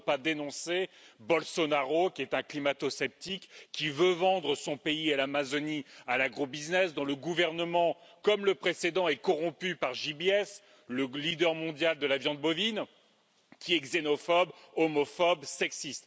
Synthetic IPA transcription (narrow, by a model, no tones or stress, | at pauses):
pad̪enɔ̃sebɔlsɔnaʁokʲiɛt̪ɛ̃klimat̪ɔsɛp̚t̪ikʲːivøvɑ̃d̪ʁəsɔ̃peialamazɔnialaɡʁobiznɛsd̪ɔ̃ləɡuvɛʁnəmɑ̃kɔmləpχesed̪ɑ̃ɛkɔʁɔ̃pypaʁʒibeɛs | ləlid̪œʁmɔ̃d̪jald̪əlavjɑ̃d̪̚bɔvin | kʲʰiɛɡzenɔfɔbɔmɔfɔbsɛksist̪